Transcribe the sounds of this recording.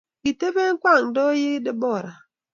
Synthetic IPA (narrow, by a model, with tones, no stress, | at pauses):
ki˨te˦be˦ŋ̩˦kwa˦˨ŋ˨dɔ˦ji˦di˦bɔ˦˨ɾa˨